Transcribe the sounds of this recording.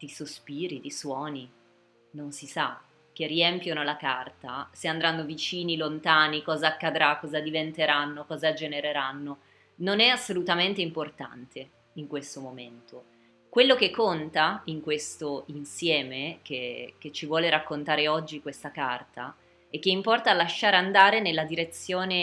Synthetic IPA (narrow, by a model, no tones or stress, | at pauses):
d̪̥isospiːɾid̪iswɔːni | nonsisa | k̟ːerːiɛmpjonolakart̪aseand̪ɾanːovit͡ʃiːnilont̪aːnikɔːzaːkːad̪ɾakːɔːzad̪ivent̪eɾanːokɔːzad͡ʒeneɾeɾanːo | nonɛasːolut̪ament̪eimport̪a̰nt̪ʰe | iŋkwest̪omoment̪o | kwelːokekːont̪aiŋkwest̪oinsjɛːmekek̟et͡ʃːivwɔːleɾakːont̪aːɾeɔd͡ʒːikwest̪akart̪a̰ | ɛkːeimpɔrt̪aːlːaʃːaːɾand̪aːɾenelːad̪iɾet̪sːjoːne